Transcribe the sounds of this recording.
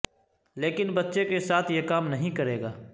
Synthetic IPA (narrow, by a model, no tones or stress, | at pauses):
leːkɪnbɐtːʃekesaːt̪ʰjekaːmnɐɦĩkɐɾeːɡaː